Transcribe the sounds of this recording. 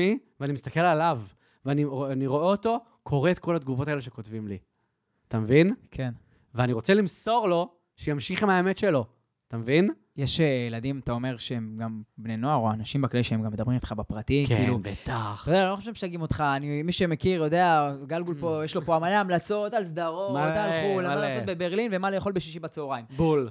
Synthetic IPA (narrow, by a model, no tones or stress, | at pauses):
iveanimist̪ake̞lalav | veanianiʁo̞eot̪o̞ | kʰo̞ʁeːt̪̚ko̞lad̪ɡuvo̞t̪aeleʃe̞ko̞tvimli | at̪amevinkʰen | veaniʁo̞t͡se̞limso̞ʁlo̞ | ʃejamʃiχemhaemetʃe̞lo̞ | at̪amevin | jeʃeeladimat̪ao̞me̞ʁʃeemɡambneno̞aʁo̞anaʃimbaklaliʃeemɡamːed̪abʁimit̪χabapʁatikḭːlubet̪aχajd̪ealoχoʃevʃeaɡimot̪χaːnimiʃemekiʁjo̞d̪eaɡalɡulpo̞jeʃlo̞poamaleamlat͡so̞t̪alsd̪aʁo̞mat̪alulaasobebe̞ʁlinvemalejaχo̞lbeʃiʃibat͡seoʁaimbul